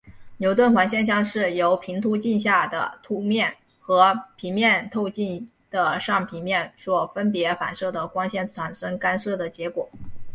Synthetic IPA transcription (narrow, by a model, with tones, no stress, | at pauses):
njo˧˥ʊt̪wə˥˩nxwa˧˥nɕjɛ˥˧nɕjɑ˥˧ŋʂɻ̩˥˩jo˧˥ʊpʰi˧˥ŋt̪ʰu˧˥t͡ɕi˥˧nɕja˥˩d̪ə̰˩t̪ʰu˥mjɛ˥˩n | xɤ˧˥pʰi˧˥mjɛ˥˧nt̪ʰo˥˧ʊt͡ɕi˥˩n | d̪̥ə˩ʂɑ˥˩ŋpʰi˧˥ŋmjɛ˥˩nʂwɔ˥˩fə˥npjɛ˧˥fa̰˨˩nʂɤ˥˩d̪ə˩kwɑ˥ŋɕjɛ˥˩nt͡sʰwa˧˥nʂɤ˥ŋka˥nʂɤ˥˩d̪ə˩t͡ɕjɛ˧˥kwɔ˨˩˦